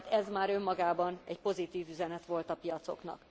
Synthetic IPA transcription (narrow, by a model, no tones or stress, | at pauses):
t̪ɛzmaːɾø̞mːɒɡaːbɒnɛcpo̞zit̪iːvyzɛnɛt̪ʋo̞lt̪ɒpijɒt̪so̞̰knɒ̰k